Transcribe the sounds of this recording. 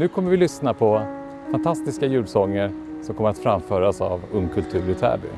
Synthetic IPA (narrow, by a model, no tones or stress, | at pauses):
nʉ̟ːkʰɔmːəɾvɪlʏsnapʰɔ | fant̪ʰast̪ɪskajʉ̟ːɖsɔŋːəɾ | sɔmkʰɔmːəɾat̪fɾamfœːɾasa̰vɵŋkʰɵlt̪ʰʉ̟ːɾɪt̪ʰæ̰ːbʏ̰